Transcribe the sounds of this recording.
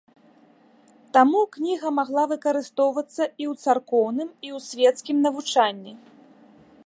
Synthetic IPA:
t̪amuknʲiɣɐmaɣlˠavɨkɐɾɨst̪ɔwvɐt̪sːɐiwt̪sarkɔwnɨmiwsʲvʲɛt̪skʲimnɐvut͡ʂanʲːi

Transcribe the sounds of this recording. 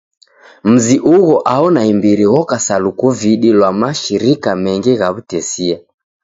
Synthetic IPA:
m̩ziʔuɣɔʔaɔnaimbiɾiɣɔkasalukuviɗilwamaʃiɾikamɛŋɡiɣaβutɛsia

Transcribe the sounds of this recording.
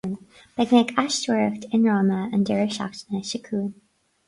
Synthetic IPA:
n | b̥ɛɡnɛkʰaʃtɛɹftɪ̃nɹoməə̃ndɛɹɪʃɑ̰ktnəʃəkʰuːn

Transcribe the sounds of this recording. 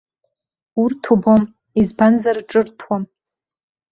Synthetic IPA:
urtʰubom | izbanzarʈ͡ʂʼɨrtʰwam

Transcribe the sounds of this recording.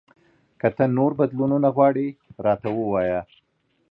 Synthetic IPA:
kət̪ənoɾbad̪lununaɣwɑɽiɾɑt̪awəwɑja

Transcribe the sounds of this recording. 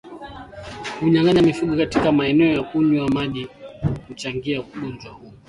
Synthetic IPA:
huɲaŋaɲamifuɡɔkatikamaɛnɛɔjakuɲuamaʄihut͡ʃaŋɡiakuɠund͡ʒwahuɔ

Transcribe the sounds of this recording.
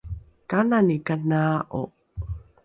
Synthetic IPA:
kananikanaʔo̰

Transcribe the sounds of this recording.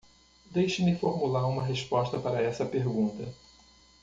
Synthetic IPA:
d̪ejʃɐmɪfoɾmulaɾũmɐɦeʃpɔʃt̪ɐpaɾɐɛsɐpeɾɡũnt̪ɐ

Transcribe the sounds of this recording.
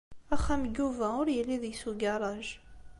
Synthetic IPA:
æχæmɡuvæʊɾjəlːiðjsuɡɑɾˤɑʒ

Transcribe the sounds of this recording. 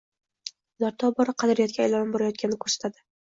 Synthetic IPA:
naɾt̪ʰɒbɒɾaqʰɑd̪ɪɾɪjɒt̪̚kʲajlɒnɪmboɾajɒt̪̚kʲanɪkʰɵɾsḁt̪ʰad̪ɪ

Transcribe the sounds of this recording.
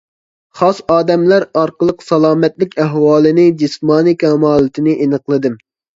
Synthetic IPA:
χɑsɑːd̪ɛmlæɾɑɾqəlˠəqsɑlˠɑːmɛt̪lɪkʲæɦwɑːlˠɨnɪd͡ʒismɑːnikʰʲɛmɑːlˠɨt̪ʰɪnɪʔenɨqlˠɨd̪ɨm

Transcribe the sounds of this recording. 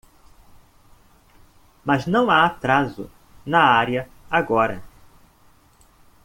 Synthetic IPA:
mɐznɐ̃w̃aat̪ɾazʊ̰ | nɐaɾiɐ | aɡɔɾɐ̰

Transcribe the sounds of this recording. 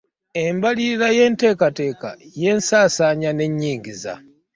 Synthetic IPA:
e̞mbaliɾiɾaje̞ːnte̞ːkate̞ːka̰je̞ːnsaːsaːɲane̞ɲːiːŋɡiza̰

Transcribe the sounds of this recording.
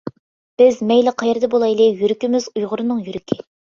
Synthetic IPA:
b̥ɪzmɛjlˠɪqʰɑjɪɾd̪ɛbolˠɑjlˠɪjyɾykʲimɪzujʁʊɾɨnɨŋjyɾɪkʲʰɪ

